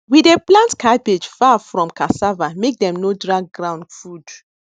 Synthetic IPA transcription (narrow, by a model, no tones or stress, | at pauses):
wideplãntkʰaɪped͡ʒfafɹɔ̃mkasavamek̚dɛ̃mnodɹaɡ̚ɡɹãʊ̃ndfud